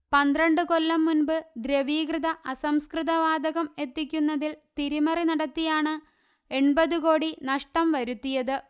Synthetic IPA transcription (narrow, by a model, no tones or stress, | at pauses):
pɐnd̪rɐɳɖɨko̞lːɐmːunbɨd̪ɾɐʋiːɡrɨðɐʔɐsɐmskrɨðɐʋaːd̪ɐɣɐme̞t̪ːikʲːunːɐðilt̪iɾimɐrinɐɽɐt̪ːijaːɳɨ | e̞ɳbɐðuko̞ːɽinɐʂʈɐmʋɐɾut̪ːijɐðɨ